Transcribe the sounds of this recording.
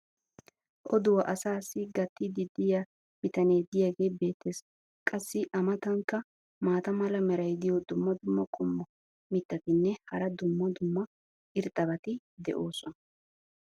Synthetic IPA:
ʔɔd̪ʊwɐʔɐsaːsːɪɡɐt̪ːɪd̪ɪd̪ɪja | b̥ɪt̪ɐne̞ːd̪ɪjaɡe̞ːbe̞ːt̪ʰːe̞ːs | kʼɐsːɪʔɐmɐt̪ɐŋkːɐ | maːt̪ɐmɐlɐmɛɾɐjd̪ɪjɔd̪ʊmːɐd̪ʊmːɐkʼʊmːɔ | mɪt̪ːɐt̪ɪnːɛhɐɾɐd̪ʊmːɐd̪ʊmːɐ | ʔɪɾt̪ʼɐbɐt̪ɪ | d̪ɛ̰ʔo̞ːsɔnɐ

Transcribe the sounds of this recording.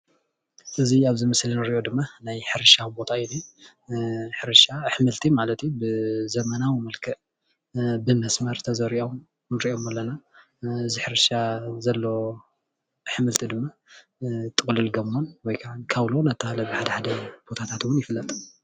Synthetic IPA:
ʔɨziaβzɨmɐslinɨɾiʔo̞d̪ɨmːanajħɨɾɨʃabo̞t̪ʰaini | ħɨɾɨʃaħɨmɨlt̪ʰimalɐt̪jubɨzɐmɐnawimɐlkʰɨʔ | bɨmɐsmɐɾt̪ʰɐzɐɾiʔom | nɨɾiʔo̞mɐlːɐna | ɨziħɨɾɨʃazɐlːo̞ | ħɨmɨlt̪ʰid̪ɨmːa | t̪ʼɨkʼlɨlɡɐmːonwɔjkʰaʕankʰaβlonat̪ːahalɐbɨħad̪ɐħad̪ɐb̥o̞t̪ʰat̪ʰat̪wʊnjɪfɨlːɐt̪ʼ

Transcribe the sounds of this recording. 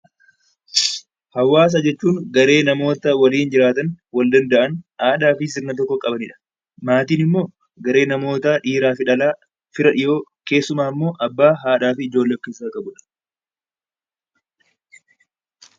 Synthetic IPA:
hɐwːaːs̬ad͡ʒɛt͡ʃːuːŋɡɐɾe̞ːnɐmo̞ːt̪ɐwɐliːnd͡ʒɪɾaːt̪ɐnwɐld̪ɐnd̪ɐʔɐnhaːᶑaːfɪs̬ɪɾnɐt̪̬ɔkːɔkʼɐbɐnɪᶑɐ̥ | maːt̪iːnɪmːo̞ː | ɡɐɾe̞ːnɐmo̞ːt̪aːᶑiːɾaːfɪᶑɐlaː | fɪɾɐᶑɪjo̞ːke̞ːsːʊmaːmːo̞ːʔɐbːaːɦaːᶑaːfɪːd͡ʒo̞ːlːɐkːɪsaːkʼɐbʊᶑɐ̥

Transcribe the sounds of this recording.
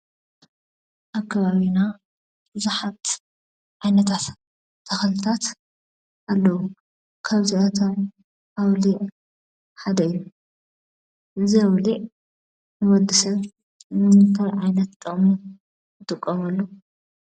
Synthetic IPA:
ʔakʰːɐβaβina | b̥ɨzuħat̪ | ʕajnɐt̪ʰat̪ | t̪ʰːɐxɐlɨt̪ʰat̪ | ʔalːɐwu | kʰaβziʔɐt̪ʰom | ʔawliʕ | ħad̪ɐɨjːu | ʔɨziawliʕ | nɨwɔd̪ːisɐβ | nɨmɨtʰɐlʕajnɐt̪t̪ʼɐχʼmu | jɨt̪ʼɨkʼːɐmɐlːo

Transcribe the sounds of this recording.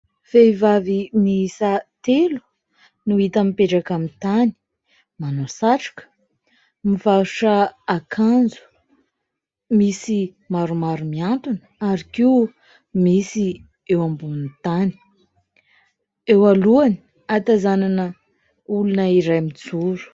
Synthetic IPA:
feivavimiisat̪elu̥ | nuit̪amipeʈ͡ʂakamint̪ani̥ | manosaʈ͡ʂḁkə̥ | mivaɾuʈ͡ʂəːkʰand͡zu̥ | misi | maɾumaɾumiant̪unə̥aɾikiu | misi | ewambunt̪ani̥ | ewaluani̥ | at̪azananə | ulunəiɾajmit͡suɾu̥

